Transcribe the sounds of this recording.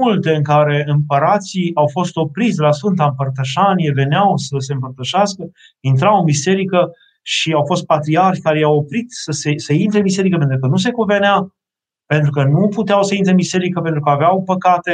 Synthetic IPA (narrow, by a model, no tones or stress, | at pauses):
ult̪eɨŋkaɾe̞ɨmpəɾat̪siawfo̞st̪o̞pɾit̪sʲd̪elasfɨnt̪aɨmpərt̪əʃanije̞ve̞neawsəs̬e̞ɨmpərt̪əʃaskə | int̪̬ɾawɨnbise̞ɾikə | ʃiawfo̞st̪̚pat̪ɾiarʃʲkaɾejawopɾit̪səseseint̪ɾemise̞ɾikəpent̪ɾukənus̬e̞kuve̞nea | pe̞nt̪ɾukənuput̪eawsəint̪ɾemise̞ɾikəpe̞nt̪ɾukəaveawpəkat̪e